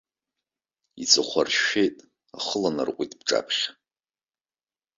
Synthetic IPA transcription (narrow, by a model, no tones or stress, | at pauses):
it͡sʼɨχʷarʃejtʼ | aχəlana̰rqʷʼitʼbʈ͡ʂʼa̰pʰχʲ